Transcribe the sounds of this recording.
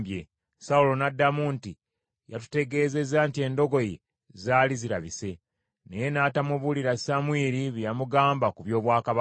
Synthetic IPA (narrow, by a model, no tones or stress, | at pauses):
bje | saulo̞nadːamunti | ja̰tu̥te̞ɡe̞ːze̞zantie̞ndo̞ɡo̞je | zaːliziɾaβise̞ | ne̞je̞naːtamuβuliɾasamwiːɾiβjamuɡaːmbakuβjo̞ːβwaːkaβa